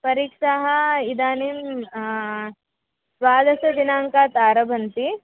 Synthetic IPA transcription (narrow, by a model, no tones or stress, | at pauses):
pɐɾiːkʂaɦɐid̪aːnim | sʋaːd̪ɐsɐd̪inaːŋkaːt̪aːɾɐbʱɐnt̪i